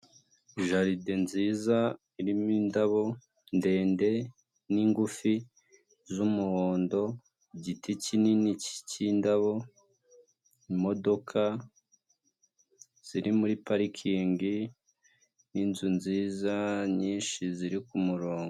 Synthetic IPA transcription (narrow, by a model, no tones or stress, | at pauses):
iʒaɾidenziːza | iɾimiːndaβo̞ | nde̞ːnde̞ | niːŋɡufi | zumuhoːndo̞ | ɟitʰicininici̥cindaβo̞ | imo̞do̞kʰa | z̥iɾimuɾipaɾikʰiːŋɡi | ninzunziːzaɲiːnʃiziɾikumuɾo̞ːŋɡo